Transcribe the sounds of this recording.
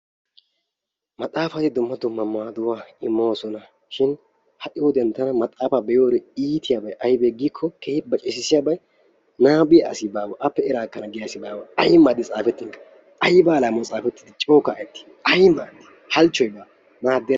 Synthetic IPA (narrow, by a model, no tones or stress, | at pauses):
mɐt̪ʼaːfɐt̪ɪd̪ʊmːɐd̪ʊmːɐmaːd̪ʊwaːɪmːoːsɔnɐ | ʃɪn | hɐʔɪwɔd̪ɛnt̪ːɐnɐmɐt̪ʼaːfabɛjoːɾɛiːt̪ʰɪjabɐjʔɐjbeɡikʰːɔkehɪbɐt͡ʃʼɛsɪsɪjabɐj | naːbɪja̰ːsɪbaːwɐʔɐpːɛɪɾaːkːɐnɐɡɪjaːsɪbaːwɐɐjmaːd̪ɪt͡sʼaːfɛt̪ːɪŋkɐ̥ | ʔɐjbaːlaːmɔt͡sʼaːfɛt̪ːɪd̪ɪt͡ʃʼoːkːaːɛt̪ːɪ̥ | ɐjmaːd̪ɪ̥ | hɐlt͡ʃːɔjbaː | maːd̪ːɛ